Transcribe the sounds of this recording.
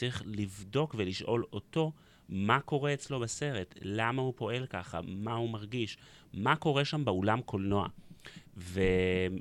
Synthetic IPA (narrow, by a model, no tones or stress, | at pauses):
iχlivdo̞kveliʃʔo̞lo̞to̞ | mako̞ʁeːt͡slo̞base̞ʁe̞tlamahupo̞e̞lkaχa̰mahumaʁɡiʃ | mako̞ʁe̞ʃambeolamkʰo̞lno̞a̰ | ve